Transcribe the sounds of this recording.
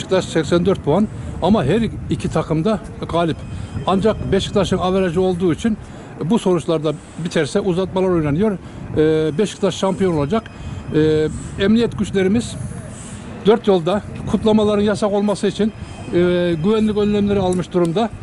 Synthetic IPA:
ʃkt̪ʰaʃsɛcʲsænd̪øɾt̪̚pʰuanamaɦæɾicʰit̪ʰakʰɯmd̪a | ɡaːlʲipand͡ʒakbɛʃkɯ̥t̪ʰaʃɯnaveɾaʒɯo̞lˠd̪uːit͡ʃʰin | buso̞ɾut͡ʃlˠaɾd̪a | bit̪ʰɛɾsɛʔuzat̪̚malˠaɾo̞jnanɯjo̞ɾ | bɛʃkʰɯ̥t̪ʰaʃʃampijo̞no̞lˠad͡ʒakː | ɛmnijɛt̪ɡʲyt͡ʃlʲe̞ɾimiz | d̪ø̞ɾt̪jo̞lˠd̪akʰut̪lˠamalˠaɾɯnjasako̞lˠmasɯit͡ʃʰin | ɡyvænlʲykʲø̞nlʲæmlʲeɾialˠmɯʃd̪uɾumd̪a

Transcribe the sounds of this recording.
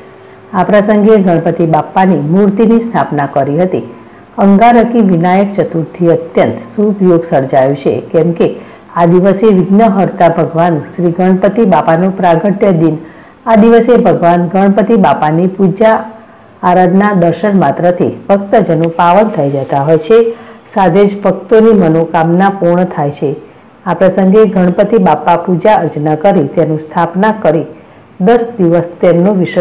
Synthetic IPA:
apɾəsəŋɡeɡʱəɳ̃pət̪ibapːanimuɾt̪inist̪ʰapnakəɾiɦət̪i | əŋɡaɾəkiʋinajək̚t͡ʃət̪uɾt̪ʰiət̪jənt̪subjoɡsəɾd͡ʒajũt͡ʃʰḛkɛmke | ad̪iʋəseʋiɡnəɦəɾt̪abʱəɡʋanʃɾiɡʱəɽ̃pət̪ibapanũpɾaɡəʈjəd̪in | ad̪iʋəsebʱəɡʋanɡʱəɽ̃pət̪ibapanipud͡ʒaː | ɾad̪nad̪əɾʃənmat̪ɾət̪ʰḭb̥ʱəkt̪əd͡ʒənopaʋənt̪ʰəid͡ʒət̪aɦojt͡ʃʰesad̪ʱed͡ʒbʱək̚t̪onimənokamnapuɾɳət̪ʰajt͡ʃʰe | apɾəsəŋɡeɡʱəɽ̃pət̪ibapapud͡ʒaəɾd͡ʒənəkəɾit̪enũst̪ʰapnakəɾi | d̪əsd̪iʋəst̪emnũʋiʃ

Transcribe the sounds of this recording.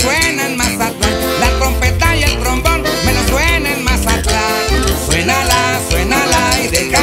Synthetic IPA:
swenanmasat̪a | lat̪ɾo̞mpet̪ajelt̪ɾombonmenoswenenmasakla | swenalaswenalajðek

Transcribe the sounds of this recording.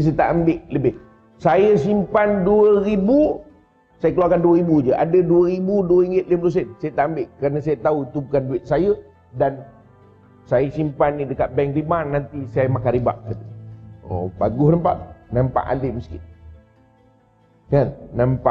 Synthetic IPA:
s̬ajət̪aʔambɪʔləbɪh | sajəsimpanduəɾibu | sajəkəluarkanduəɾibud͡ʒəʔa̰dəduəɾibuduəɾiŋɡɪt̪̚lemplus̬ənsajət̪aʔambɪʔkɾanasajət̪auit̪ubukanduɪt̪̚sajə | dan | sajəsimpanːidəkat̪̚bɛŋkrimanːant̪isajəmakaɾiba̰ʔkat̪əo̰ba̰ɡʊhnampa̰ʔnampa̰ʔa̰ləməskɪ | kanːampaʔ

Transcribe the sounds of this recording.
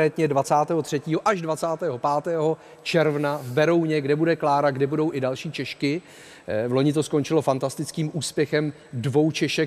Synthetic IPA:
ɛːt̪ɲɛdvat͡saːt̪ɛːɦor̝̥ɛciːɦo̞ʔaʒdvat͡saːt̪ɛːɦo̞paːt̪ɛːɦo̞ | t͡ʃɛɾvnavbɛɾo̞wɲɛɡdɛbudɛklaːɾaɡdɛbudo̞wʔɪdalʃiːt͡ʃɛʃkɪ | lo̞ɲɪt̪̬o̞sko̞nt͡ʃɪlo̞fant̪ast̪ɪt͡skiːmuːspjɛxɛm | dvo̞wt͡ʃɛʃɛ

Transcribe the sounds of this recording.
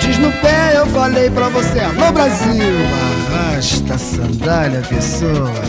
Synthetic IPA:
d͡ʒiʒnʊpeewfalejpɾɐvoseamobɾaziwaʁaʃt̪ɐsɐ̃nd̪alɐpesoɐ

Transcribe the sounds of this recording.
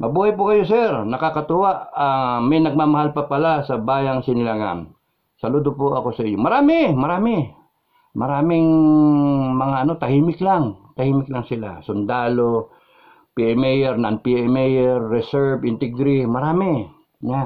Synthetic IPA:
mʔɐbuːhɐjpʊkɐjosɛɾnɐkakɐt̪ʊwaʔɐŋmɐjnɐɡ̚mamɐhalpɐpɐlasɐbaːjaŋsɪnɪlaŋa̰n | sɐlud̪opoʔɐko̞sɐʔiɲːomɐɾaːmɪmɐɾaːmɪ | mɐɾaːmɪŋ | mɐŋaʔɐno̞t̪ɐhiːmɪklaŋt̪ɐhiːmɪk̚laŋsɪla̰sʊnd̪aːlo | piɛmɛjɛɾnanpiʔɛmɛjɛɾːɛsɛɹbɪnt̪ɛɡɾimɐɾaːmɪ | ɲa

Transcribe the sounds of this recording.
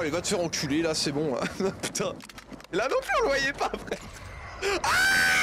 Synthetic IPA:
levat̪t̪yʁɔ̃kʲʰylelasɛbɔ̃ã̰py̥t̪ʰɛ̃ | elanɔ̃plyɔ̃ləvwajɛpapχɛt̪ | a

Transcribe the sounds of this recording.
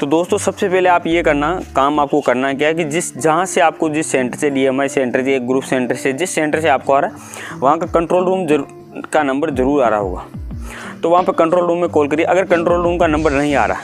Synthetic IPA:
t̪od̪oːst̪õsɐbsepɛːɦleaːpjekɐɾnakaːmaːp̚kokɐɾnakjaɦɛk̬id͡ʒɪsd͡ʒɐɦãseaːp̚kod͡ʒɪsːẽːɳʈəɾseɖiːemaːisẽːɳʈəɾseːk̚ɡɾuːpʰsẽːɳʈəɾsed͡ʒɪsːẽːɳʈəɾseaːp̚koaːɾaɦɛ | ʋɐɦãkakɐ̃ɳʈɾoːlɾuːmɐ | kanɐ̃mbəɾzɐɾuːɾa̰ːɾa̰ɦo̰ːɡa̰ːt̪oʋɐɦãpɐkɐ̃ɳʈɾoːlɾuːmːẽkoːlkɐɾieʔɐɡəɾkɐ̃ɳʈɾoːlɾuːmkanɐ̃mbəɾnɐɦĩa̰ːɾa̰ː

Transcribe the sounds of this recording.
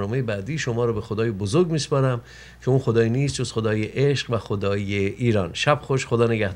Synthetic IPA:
nɒːme̞jebæːd̪iːʃo̞mɒːɾɒːbe̞xod̪ɒːjebozoɾɡmiːspɒːɾæm | cʰeũːnxo̞d̪ɒːjiniːst̪̚d͡ʒoz̥χxo̞d̪ɒːjeʔeʃɢvæxod̪ɒːjeʔiːɾɒːnʃæb̥xoʃxod̪ɒːneɡæhd̪

